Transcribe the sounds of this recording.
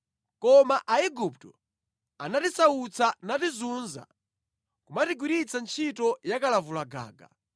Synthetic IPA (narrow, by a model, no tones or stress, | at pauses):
kɔmaʔaiɡup̚tɔ | anatisaut͡sʰanatizunza̰ | kumatiɡuɾit͡sant͡ʃʰitɔjakalavulaɡa̰ːɡa̰